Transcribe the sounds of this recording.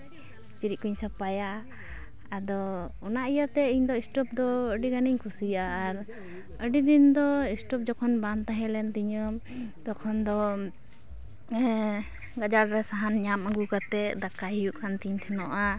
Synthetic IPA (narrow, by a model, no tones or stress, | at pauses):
t͡ʃiɾiʔ̚kuɲsapajaː | d̪ɔ | ɔnaʔijat̪ɛiɲd̪ɔisʈɔp̚d̪ɔəɖiɡaniɲkʰusijaːɾ | əɖid̪ind̪ɔisʈɔp̚d͡ʒɔkʰɔnbant̪aɦɛlɛnt̪iɲɔm | t̪ɔkʰɔnd̪ɔ | ɡad͡ʒaɾɾɛsaɦanɲaməɡukat̪ɛʔd̪akaɦijuʔkʰant̪iɲt̪ʰɛnɔʔa